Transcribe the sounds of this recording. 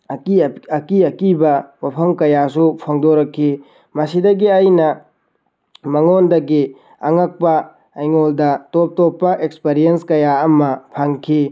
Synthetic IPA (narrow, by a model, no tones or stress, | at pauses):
ɐkiɐkibɐwapʰɐmkɐjasupʰoŋdoɾɐkʰːi | mɐsidɐɡiajnɐ | mɐŋondɐɡi | ɐŋɐk̚pɐː | jŋoldɐtop̚topːɐʔekspeɾijenskɐjaɐmɐpʰaŋkʰi